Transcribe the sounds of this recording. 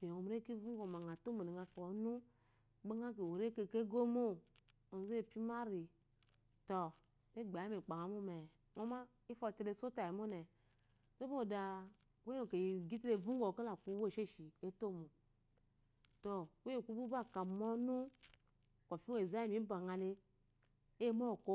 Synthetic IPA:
pe˨o˨m˦ɾe˦ki˦vu˦ŋɡo˨ma˨ŋ˨a˨to˦mo˨e˨ŋa˨kɔ˨˦nu˦ | ɡ͡ba˦ŋa˦k̬e˨o˨ɾe˦ke˨ke˦ɡo˦mo˦ | o˨ze˦˨pi˦ma˦ɾi˨ | tɔ˨ | ne˦˨ɡ͡ba˨˦me˨k͡pa˨ŋa˨˦mu˦mɛ˨ | ŋo˦ma˦ | i˦fo˦˨te˨ɾe˦so˦ta˨i˨mo˦nɛ˨ | to˦bo˨da˨ | we˦o˨ke˨ɡi˦tle˨vu˦ŋ˦o˨ke˦la˨ku˦wo˦˨ʃe˦ʃi˨e˦to˦mo˨ | to˨we˦o˨ku˦bu˦ba˦˨ka˨mo˦nu˦ | ko˨fi˦˨za˦i˦mi˨˦ba˨ŋa˨le˦ | mo˦˨ko˦

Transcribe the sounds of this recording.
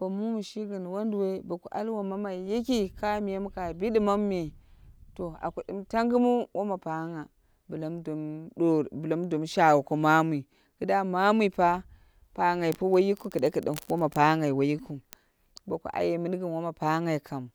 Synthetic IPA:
b̥o˨mu˦mu˨ʃi˦ɡɨ˨n˨wo˦ndu˨we˦ba˨ku˨ʔa̰˦lwa˨ma˦ma˨ji˦ki˦ka˦mi˨je˦m˦ka˨bi˦ɗi˦ma˦mːe˨to˨a̰˨ku˨ɗɨ˨mta˦ŋɡɨ˦mu˦wʔo˦ma˨pa˦ŋa˨ | bu˨la˦mdu˨mɗo˦bla˦mdu˨mʃa˨wko˨ma˦m˦i˨ | kɨ˨da˦ma˦mʷ˦i˨pa˦ | pa˦ŋa˨i˨pu˦wa˦ji˦ku˦kɨ˨da˦kɨ˨ɗḭ˨mwo˦ma˨pa˦ŋa˨i˨wo˨ji˦ku˨ | ba˨kṵ˨ʔa̰˨je˨mɨ˦n˦ɡɨ˨m˨wo˦ma˨pa˦ŋa˨i˨kʰa˨m˨

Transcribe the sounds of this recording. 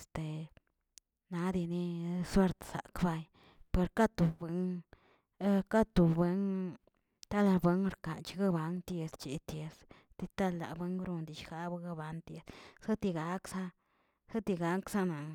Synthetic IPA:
st̪e˨ | na˨˧d̪i˧ni˦swe˦ɾt̪sa̰˨kba˧j | pe˧ɾka˦t̪u˨bʷe˧n˦ | ka˦t̪u˨be˧˦n | t̪a˦la˧bwe˦ŋɾka˨nt͡ʃi˧ɡa˦ba˨˦nt̪je˧st͡ʃi˨t̪je˧s | t̪i˧t̪a˦lːa̰˨bwe˦ŋɾu˧nd̪i˨ʃxa˦ba˧˦ɡa˦˧ba˧nt̪je˧ssa˦t̪i˧ɡa˨˦ksa˦ | sa˦t̪i˧ɡa˦ksa˦na˨

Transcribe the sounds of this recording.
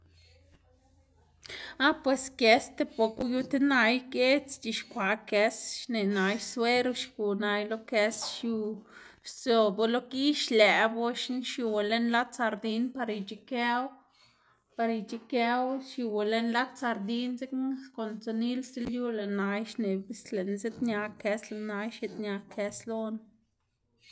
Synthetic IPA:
a˦pwe˨ske˧st̪e˧po˧ku˦ju˦˧t̪e˦na˧jke˦t͡st͡ʃi˧ʃkʷa˨ke˧sʃne˨na˨˧jswe˦ɾo˧ʃku˨na˧jlo˦ke˧sʃju˧ | so˧bo˧lo˦ki˦ʃlɛ˨bo˦ʃnʃju˧we˨le˧˦nla˦t͡sa˧ɾd̪i˧npa˧ɾi˧t͡ʃi˧ke˦w | pa˧ɾi˧t͡ʃi˧ke˧˦wʃju˨˧we˨le˧nla˦t̪̚t͡sa˧ɾd̪i˧nze˦kko˨nt͡so˧ni˦lse˦lju˦le˨na˧jʃne˨bi˦sle˨nze˦t̪ɲa˧ke˧sle˧na˧jʃe˧t̪ɲa˧kʰe˧slo˦n

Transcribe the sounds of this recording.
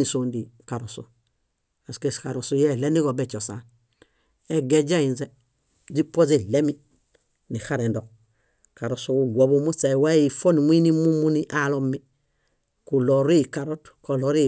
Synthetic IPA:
i˨so˨ndi˨ka˨ɾo˨su˨ | a˨ske˨ska˨ɾo˨su˦je˦˨le˦ni˦ɡo˨be˦˨t͡ʃo˨sa˨ | ɛ˨ɡe˨d͡ʒa˦i˨nze˦ | d͡ʒi˦pʷo˦ze˨le˦mi˦ | ni˨xa˦ɾe˨ndo˨ | ka˨ɾo˨su˦ku˨ɡʷo˨bu˦mu˦sa˨wa˦ji˨fo˦ni˨m˦i˦ni˦mu˦mu˦ni˦ʔa˦lo˦mi˦ | ku˨lo˨ɾi˦˨ka˨ɾo˦t | ko˨lo˦ɾi˦

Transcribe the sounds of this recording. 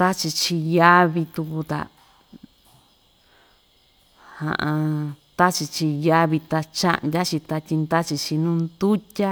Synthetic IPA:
t̪a˦t͡ʃi˧t͡ʃi˧ja˦βi˧t̪u˧ku˧t̪a̰˧ | hã̰˨ʔã˧t̪a˦t͡ʃi˧t͡ʃi˧ja˦βi˧t̪a˧t͡ʃã̰˦ʔnjʲa˦t͡ʃi˧t̪a˧tʲi˧nd̪a˦t͡ʃi˧t͡ʃi˧nũ˦nd̪u˦tʲa˦

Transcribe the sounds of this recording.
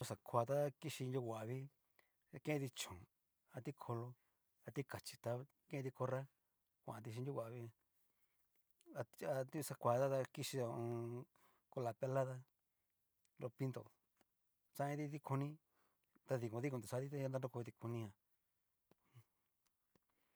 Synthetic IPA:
o˧sa˨kʰʷa˧t̪a˦˧ki˦˧ʃi˧nju˧wʷa˨ʔβi˦˧ | kẽ˦˧t̪i˧t͡ʃõ˨ | a˧t̪i˦kʰo˧lo˧ | a˧t̪i˦ka˨t͡ʃi̥˧t̪a˧ | kẽ˦˧t̪i˧ko˧ɾa˦ | kʷã̰˧˨˧t̪i˧ʃ̬i˧nu˦˧wa˨βi˧ | a˧a˧t̪i˦˧sa˧kʷa˨˧˨t̪a˦t̪a˧ki˧ʃi˧ðo˧õ˧ | ko˧la˨pe˧la˦ða˧ | ɾo˧pi˧˦nd̪o̰˨ | t͡ʃã˧˦ĩ˧t̪i˧t̪i˦kʰu˧nĩ˦ | t̪a˧ði˧kõ˧ði˦kũ˧˨t̪u˨sa˧˦t̪i˦t̪a˦a˦na˦˧˦o˦ko˧t̪i˧ku˧nĩ˧ã˧

